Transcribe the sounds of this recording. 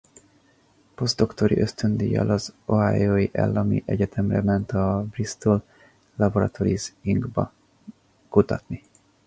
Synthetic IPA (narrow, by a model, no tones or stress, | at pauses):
po̞zd̪o̞kt̪o̞ɾḭʔø̞st̪ø̞nd̪iːjɛ̰lɒzoɦaːjoːjiʔɛ̰lːɒmḭʔɛɟɛt̪ʰɛmrɛmɛnt̪ɒbrist̪ol | lɒboɾɒ̰t̪o̞ɾiziŋɡbɒ | kut̪ɒt̪ni